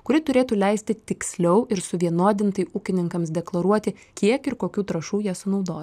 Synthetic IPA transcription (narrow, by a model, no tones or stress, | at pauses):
kʊɾʲɪt̪ʊɾʲeːt̪uːlʲɛɪsʲt̪ʲɪt̪ʲɪksʲlʲɛʊʔɪɾsʊʋʲiɛnoːd̪ʲɪnt̪ɐɪʔuːkʲɪnʲɪŋkɐmsd̪ʲɛklˠɐɾuɔt̪ʲɪkʲiɛkɪɾkoːkʲuːt̪ɾɐʃuːjiɛsʊnɒʊd̪oː